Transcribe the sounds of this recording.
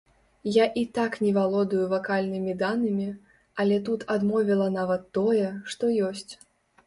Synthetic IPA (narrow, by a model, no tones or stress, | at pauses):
jaʔit̪aknʲɛvalˠɔd̪ujuvakalʲnɨmʲid̪anːɨmʲi | ɐlʲɛt̪ut̪ʰad̪mɔvʲilˠɐnavɐt̪ːɔjɛʂt̪ɔjɔsʲt͡sʲ